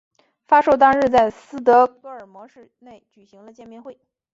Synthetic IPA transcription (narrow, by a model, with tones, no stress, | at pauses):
fa˥ʂo˥˧ʊt̪̬ɑ˥ŋɻ̩˥˧t͡sa˥˩ɪsɹ̩˥t̪̬ɤ˧˥kɤ˧˥ə˞˨˩mwɔ˧˥ʂɻ̩˥˧ne˥˩ɪt͡ɕy˨˩ɕi˧˥ŋlə˧t͡ɕjɛ˥˧nmjɛ˥˧nxwe˥˩ɪ